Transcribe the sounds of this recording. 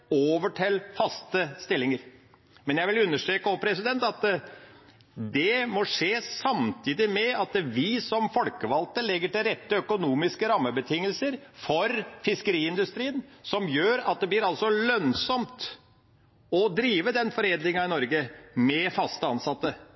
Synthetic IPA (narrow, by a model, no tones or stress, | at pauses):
oːʋəʈʰɛlfɑst̪əst̪ɪlːɪŋəɾ | mɛnjæɪʋɪlʉnːəʂʈ̪ɾeːkəɔpʰɾɛsɪd̪ɛnt̪ɑt̪ | d̪ɛmɔʂeːsɑmt̪ʰiːd̪ɪmɛɑt̪ʋɪsɔmfɔlkəʋɑlt̪əlɛɡːəʈɪlɾɛt̪ːəœkʊnuːmɪskəɾɑmːəbət̪ʰɪŋːəlsəɾfɔɾfɪskəɾiːɪnd̪ʉst̪ɾiːənsɔmjøːɾɑt̪̚d̪ɛblɪɾɑlsɔlœnsɔmt̪ | ɔd̪ɾiːʋəd̪ɛnfɔɾeːd̪lɪŋɑɪnɔɾɡəmɛfɑst̪əɑnsɑt̪ːə